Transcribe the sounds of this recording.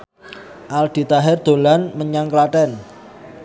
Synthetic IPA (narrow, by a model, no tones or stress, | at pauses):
ʔald̪̥i̤t̪aɦɛrd̪̥o̤lanməɲaŋklaʈɛn